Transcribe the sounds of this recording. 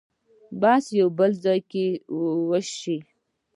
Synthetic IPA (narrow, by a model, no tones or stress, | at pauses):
basjawbəlzɑjkewəʃi